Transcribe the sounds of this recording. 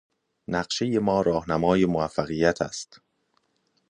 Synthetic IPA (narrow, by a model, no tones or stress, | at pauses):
næɢʃe̞je̞mɒːɾɒːhnæmɒːje̞moæfːæɣiːjːæt̪ʰæ̰st̪